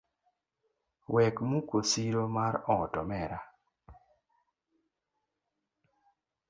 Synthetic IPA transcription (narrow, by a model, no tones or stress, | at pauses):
wɛkmukosiɾomaɾɔtɔmɛɾa